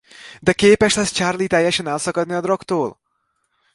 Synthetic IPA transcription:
d̪ɛkeːpɛʃlɛst͡ʃarlit̪ɛjːɛʃɛnɛlsɒkɒd̪niɒd̪rɒkt̪oːl

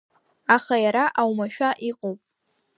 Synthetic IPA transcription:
aχajaɾaʔawmaʃᶣaʔiqʼowpʼ

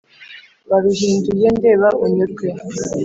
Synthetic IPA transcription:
βaβiɦiːnduje̞nde̞ːβaʔuɲuɾtwe

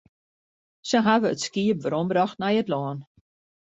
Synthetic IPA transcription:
sənɦavəːtskiəp̚ʋəɾɔmbɾɔxtnajətlɔːn

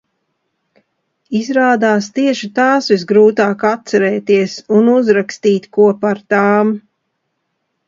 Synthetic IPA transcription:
izɾaːd̪aːst̪iɛʃit̪aːsʋizɡɾuːt̪aːkat̪t̪sɛɾɛːt̪iɛsunuzɾakst̪iːt̪ʲkuɔpaɾt̪aːm

